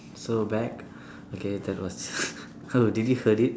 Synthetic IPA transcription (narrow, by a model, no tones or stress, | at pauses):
sobɛk̚ | okedɛt̚wɔs | haditjihədit̚